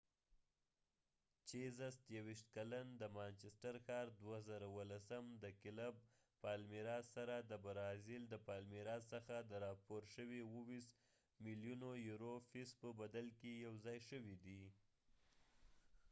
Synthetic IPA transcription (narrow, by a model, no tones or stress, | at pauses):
t͡ʃezast̪jawiʃt̪kaland̪əmant͡ʃɪsʈaɾxɑɾd̪wazaɾawəlasamd̪əkɪlab̚ | pɑlmiɾɑsaɾad̪əbaɾɑzɪld̪əpɑlmiɾɑsəxad̪əɾɑpoɾʃəwewəwis | miljunojuɾofispəbad̪alkejawzɑjʃəwid̪i